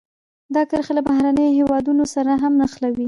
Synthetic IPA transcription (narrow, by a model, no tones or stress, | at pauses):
d̪ɑkəɾxelabahɾanəjoɦewɑd̪unosaɾaɦamnaxlawi